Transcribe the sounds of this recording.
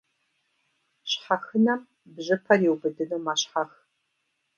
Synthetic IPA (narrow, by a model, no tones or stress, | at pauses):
ɕħaxɨnɐm | bʑɨpʰɐriwbɨdɨnuːmaɕħax